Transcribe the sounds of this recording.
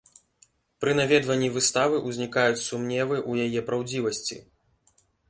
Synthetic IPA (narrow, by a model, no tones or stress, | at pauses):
pɾɨnavʲɛd̪vɐnʲːivɨst̪avɨʔuzʲnʲikajut͡sʲsumnʲɛvɨʔujajɛpɾawd͡zʲivɐsʲt͡sʲḭ